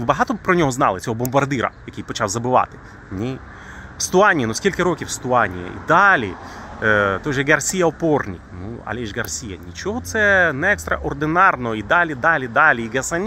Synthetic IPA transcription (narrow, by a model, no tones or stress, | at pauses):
bɐɦɑt̪ɔpɾɔnʲɔɦɔznɑ̰lˠɪt͡sʲɔɦɔbɔmbɐrd̪ɪɾɐ̰jɐkʲijpɔt͡ʃawzɐbɪʋɑ̰t̪ɪ̥ | nʲij | wst̪ʊanʲiinusʲkʲilʲkɐɾokʲiwst̪ʊɑnʲḭjɛ̰ḭd̪ɑlʲḭ | t̪ɔjʒɛɡɐrsʲijɐɔpɔrnʲḭknṵɐ̰lʲɛʒɡɐrsʲijɐ̰nʲit͡ʃɔɦɔt̪sɛnɛɛkst̪ɾɐ̰ʔɔrd̪ɪnɑrnɔɔid̪alʲid̪alʲid̪ɑlʲiiɡɐsɐnʲ